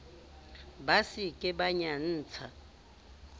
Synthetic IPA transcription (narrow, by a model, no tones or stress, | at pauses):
basikʼɛɓaɲan̩ːt͡sʰa